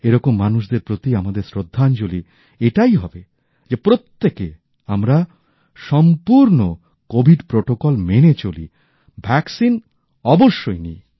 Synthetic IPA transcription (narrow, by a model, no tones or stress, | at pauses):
eɾɔkomːanuʃd̪eɾpɾot̪iamad̪eɾsɾod̪ʱːant͡ɕoli | eʈajɦɔbe | d͡ʑepɾot̪ːeke | amɾa | ʃɔmpuɾno | kobʱiɖpɾoʈokɔlmenet͡ɕolḭ | bʱɛksin | ɔboʃːojnḭ